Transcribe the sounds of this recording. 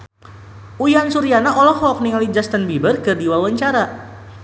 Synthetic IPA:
ujansuɾijanaʔɔlɔhɔk̚niŋalid͡ʒast̪ənbibərkɨrdiwawaɲt͡ʃaɾa

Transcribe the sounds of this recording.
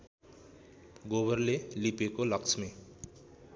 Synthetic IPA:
ɡobʌɾlelipekolʌkt͡sʰme

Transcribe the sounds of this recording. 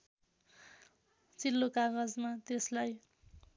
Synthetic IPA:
t͡silːokaɡʌd͡zmat̪eslaj

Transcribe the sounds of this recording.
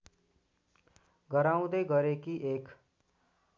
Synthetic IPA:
ɡəɾaːũd̪eɡʌɾekiʔeːk

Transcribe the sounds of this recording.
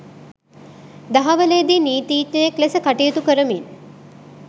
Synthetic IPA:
d̪aɦaʋəled̪iniːt̪iːt̪ɲəjeklesəkaʈijət̪ukəɾəmin

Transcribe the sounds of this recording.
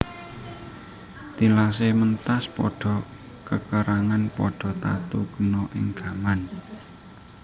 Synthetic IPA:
t̪ilas̬emənt̪aspɔɖ̥ɔ̤ | kəkəɾaŋanpɔɖ̥ɔ̤t̪a̰t̪ukənɔʔɪ̰ŋɡ̥aman

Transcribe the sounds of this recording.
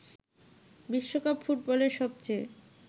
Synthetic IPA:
biʃːokapfuʈ̚bɔleɾʃɔb̚t͡ɕʰe

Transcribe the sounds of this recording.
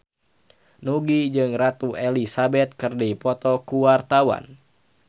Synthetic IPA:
nuɡid͡ʒɨŋrat̪uɛlisabɛt̪̚kɨrdipɔt̪ɔkuwart̪awa̰n

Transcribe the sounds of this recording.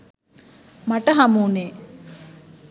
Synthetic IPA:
maʈəɦamuːneː

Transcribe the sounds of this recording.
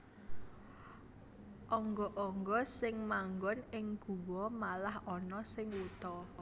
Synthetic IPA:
ʔɔŋɡɔʔɔŋɡɔsɪŋmaŋɡɔnɪŋɡ̥ṳwɔmalahɔnɔsɪŋwut̪ɔ

